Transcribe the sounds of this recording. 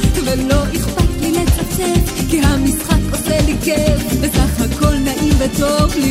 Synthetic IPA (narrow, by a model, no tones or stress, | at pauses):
velo̞ʔiχpat̪liletat͡ʃekiɦamisχakoselikevvesaχhako̞lnaʔimvet̪ovl